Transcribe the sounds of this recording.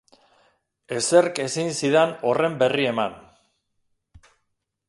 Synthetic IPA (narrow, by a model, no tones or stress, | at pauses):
e̞se̞ɾke̞sinsiðano̞re̞mbe̞rie̞man